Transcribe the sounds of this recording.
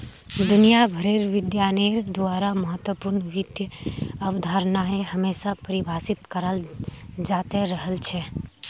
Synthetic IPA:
d̪ʊnijabʱəɾeːɾʋɪd̪jaːneːɾd̪ʊaːɾaməɦət̪wəpuɾnʋɪd̪jəɐʋd̪ʱaːɾnaɦeɦɐmeːsapəɾɪbʱaːsɪt̪kəɾəld͡ʒaːt̪eɾəɦəlt͡ʃʰɛ

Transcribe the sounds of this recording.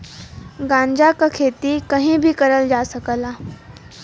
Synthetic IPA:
ɡãːɲd͡ʒakakʰeːt̪ikəɦĩbʱikəɾəld͡ʒaːsəkəlaː

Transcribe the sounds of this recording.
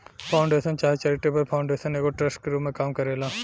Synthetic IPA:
pʰaːʊ̃ɳɖeːsənt͡ʃaːɦet͡ʃɐɾiʈeːbəlpʰaːʊɳɖeːʃəneːkoʈɾɐsʈkɾuːmẽkaːmkɐɾeːlaː

